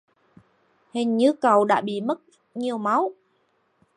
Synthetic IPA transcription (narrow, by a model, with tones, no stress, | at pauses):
hï˨˩ŋ̟ɲɨ˧˥kə˨˩wɗa̰ː˧˥ɓḭ˧˨mə˦˥t̚ | ɲi˨˧˩əwma˨˦w